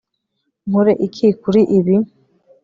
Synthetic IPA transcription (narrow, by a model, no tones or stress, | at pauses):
muɾeʔikʰikuɾiʔiβi